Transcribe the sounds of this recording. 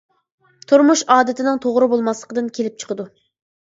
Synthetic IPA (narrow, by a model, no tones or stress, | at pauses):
t̪ʰuɾmuʃɑːd̪ɪt̪ʰɪnɪŋt̪ʰoʁɾɨbolˠmɑslˠəqəd̪ɨnkʲʰelɪp̚t͡ʃʰə̥qʰəd̪u